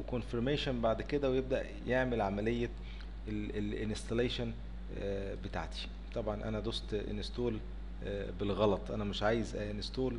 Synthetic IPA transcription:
wekonfeɾmeːʃænbaʕd̪ked̪æwejeb̚d̪æʔ | jeʕmelʕamælejːæ | elenest̪ɑleːʃæn | bet̪a̰ʕt̪ʰi̥ | t̪ˤɑbʕɑnʔæ̰næd̪ˤost̪ʔḛnest̪oːl | belɣɑlɑt̪ˤʔænæmeʃʕaːjezʔænest̪oːl

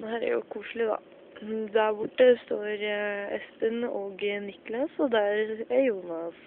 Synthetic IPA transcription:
d̪ɛɦæːɾæ̰ɾjʊ̰kʰuːʂɭɪd̪ɑ̰ | d̪æɾbʊʈːəst̪oːɾɛspənoːɡnɪklɑsɔd̪ɛæɾæjuːnɑs

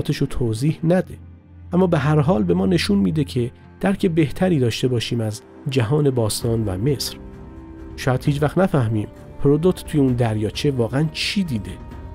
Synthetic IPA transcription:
t̪ʰeʃot̪ʰoːziːhnæd̪e | ʔæmːɒːbeɦæɾɦɒːlbe̞mɒːne̞ʃunmiːd̪e̞cʰe̞ | d̪̥æɾkʰe̞be̞ht̪ʰæɾiːd̪ɒːʃt̪e̞bɒːʃiːmæz | d͡ʒæɦɒːne̞bɒːst̪ɒːnvæ̰me̞sɾ | ʃɒːjæd̪̥hiːd͡ʒvæxt̪næfæhmiːm | pʰɾod̪ot̪t̪ʰuːjeund̪æɾjɒːt͡ʃʰe̞vɒːɣeænt͡ʃʰiːd̪iːd̪e̞

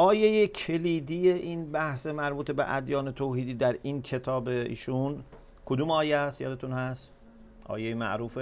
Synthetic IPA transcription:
ʔɒːje̞jecʰe̞liːd̪ijeʔiːnbæhse̞mæɾbuːt̪ʰe̞bḛʔæ̰d̪jɒːne̞t̪ʰoːhiːd̪iːd̪æɾiːnkʰe̞t̪ʰɒːbeḭːʃun | kʰod̪uːmɒːjeæst̪jɒ̰ːd̪e̞t̪ʰunhæst̪ | ʔɒ̰ːjejemæ̰ʔɾuːfe

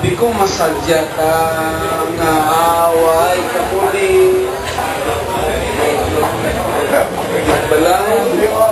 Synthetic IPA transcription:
bikʊŋmasald͡ʒata | ŋaawaikapuli | d͡ʒabəlaŋ

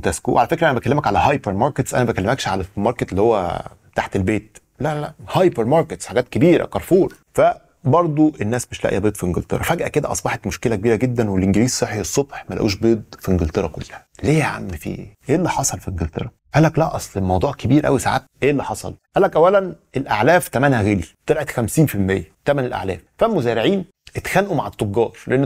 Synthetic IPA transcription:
wt̪æskṵʔwʔʕalæfekɾæʔænæbækælːemækʕalæhɑjpeɾmɑɾˤket̪sʔæ̰næbækælːemækʃʕalæmɑɾket̪lːihowːæ̰ | t̪aħt̪elbeːt̪̚ | læælæʔhɑjpeɾmɑɾˤket̪sħaɡæːt̪kebiːɾæ̰kɑɾˤfuːɾ | fæ | bɑɾˤd̪ˤoenːæːsmeʃlæ̰ʔjæbeːd̪ˤfiʔeŋɡelt̪ˤḛɾˤɑfæɡʔæked̪æ̰ʔɑsˤbɑħet̪moʃkelækebiːɾæɡed̪ːænwelʔeŋɡeliːzsˤɑħiesˤːobħmælʔæʔuːʃbeːd̪ˤfiʔenɡelt̪ˤeɾˤɑko̰lːhæleːʕa̰mːefḭːʔeːlːiħɑsˤɑlfiʔenɡelt̪ˤḛɾˤɑ | ʔælːæklæʔɑsˤlemɑwd̪ˤuːʕkebiːɾʔæ̰wisa̰ʕa̰ːt̪ʔeːlːiħɑsˤɑ̰lʔælːækʔæwːælænʔelʔaʕlæːft̪æmænhæɣelit̪eɾʔet̪xæmsiːnfilmejːæt̪æmænelʔa̰ʕlæ̰ːffæmozæːɾeʕiːn | ʔet̪xænʔumaʕet̪ˤːoɡːɑːɾˤleʔenː

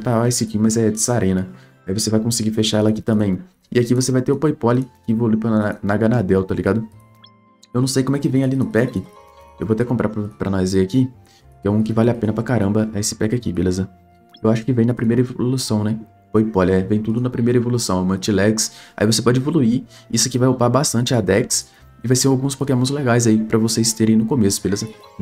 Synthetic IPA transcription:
paasɪkimɐzɛd͡ʒɪsaɾʔẽnɐ | aivosevajkõsɪɡifeʃaɛlɐaki̥t̪ɐ̃mbẽj̃ | ɪakivosevajt̪eʊpojpɔlɪkɪevoluipɾɐanaɡɐnad̪ɛwt̪aliɡad̪ʊ | ewnɐ̃w̃sejkõmwɛkɪvẽj̃alinʊpɛkɪewvot̪ɛkõpɾa̰ɾpɾɐpɾɐnɔzeaki | kɪɛũkɪvalɪapẽnɐpɾɐkaɾɐ̃mbɐɛesɪ̥pɛkɪakibelezɐ | ewaʃʊ̥kɪvẽj̃nɐpɾimejɾɐevoolusɐ̃w̃nɛ | fojpɔlɐɛvẽj̃t̪ud̪ʊnɐpɾimejɾɐevolusɐ̃w̃ɐmɐɾt͡ʃilɛksa̰ivosepɔd͡ʒɪevoluiisʊkɪvajopaɾbast̪ɐ̃nt͡ʃɪad̪ɛks | ɪvajseɾawɡũspokemõzleɡajzaipɾɐvosejst̪eɾẽj̃nʊkomesʊbelezɐ

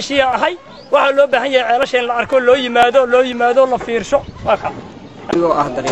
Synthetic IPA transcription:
ʃɪɐːɦɐj | wɑħɑlɔːbaːɦɐnjahɛjʕɛːlɐʃɐɪnlɐɐrkʰɔːlɔːjɪmaːðɔlɔːjɪmaːðɔlɐfiːrʃɔwɑːkʰɐ | ɪɣɔːʔɐhd̪ɐɾ

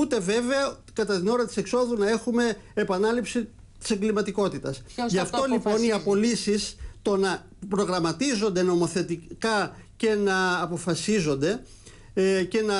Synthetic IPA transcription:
ut̪e̞ve̞ve̞ɐ | kɐt̪ɐt̪ino̞ɾɐt̪i̥se̞kso̞ðunɐe̞xume̞ːpɐnɐlipsi | t̪i̥se̞ŋɡlimɐt̪iko̞t̪it̪ɐsʝɐft̪o̞lipo̞niɐpo̞lisist̪o̞nɐ | pɾo̞ɣɾɐmɐt̪izo̞nd̪e̞no̞mo̞θe̞t̪ikɐ | ce̞nɐːpo̞fɐsizo̞nd̪e̞ | ce̞nɐ

